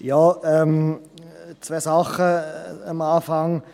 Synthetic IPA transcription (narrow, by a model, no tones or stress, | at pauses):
jɑːɛm | t͡svɛːsaχəəmaːfaŋ